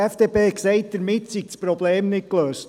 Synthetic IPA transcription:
ɛfd̥eːpeːksɛɪt̚d̥əɾmɪtsik̚spɾɔbleːmnɪt̚kløːst

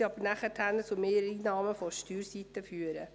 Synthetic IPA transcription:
iɑbənæχətʰænət͡sumeːɾəiːnɑːməfɔʃtyːɾsit̪əfyːəɾə

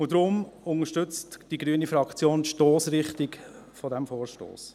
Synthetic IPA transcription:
ʊdɾʊmʊŋəʃtʏt͡std̥iɡɾyənifɾɑkt͡sjoːntʃtoːsɾɪχtɪk | fɔdɛmfoːɾʃto̰ːs

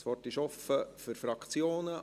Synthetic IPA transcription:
sʋɔrtɪʃɔfəfyɾfɾɑkt͡sjoːnə

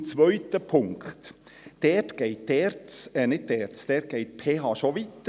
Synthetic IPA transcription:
t͡sʋœʏt̪əpʰʊŋkt̪ | d̥ɛːtɡ̥ɛɪtd̥ɛːɾt͡sɛnɪd̚dɛːɾt͡sd̥ɛːt̚ɡ̥ɛɪt̪pʰeːɦɑːʃoʋit̪ːə

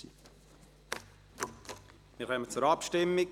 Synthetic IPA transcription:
ḭ | mɪɾχœmət͡sʊɾɑpʃtɪmːɪk

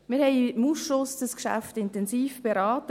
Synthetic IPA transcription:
mɪɾhɛɪmusʃʊsd̥əskʃæ̰ftɪntɛnsiːfb̥eɾɑːtə

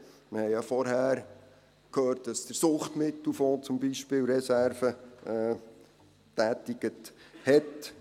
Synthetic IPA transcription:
məhɛɪjɑfɔɾɦæːɾ | kʰøːrt̚d̥ɑsd̪̥əɾsʊχt̪mɪtl̩foːt͡sʊmbiʃpɪːwɾɛsæɾfəɛː | tæːtɪɡ̥əthɛt

